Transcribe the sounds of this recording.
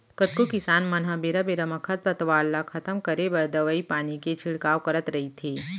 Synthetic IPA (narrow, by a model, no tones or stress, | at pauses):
kɐt̪̚kokɪsaːnmɐnɦabeɾabeɾɐmɐkʰət̪̚pɐt̪ʋaːlːakʰɐt̪əmkɐɾebɐɾd̪əʋəipaːniket͡ʃʰɪɽkaːwkɐɾət̪ɾɐɦit̪ʰeː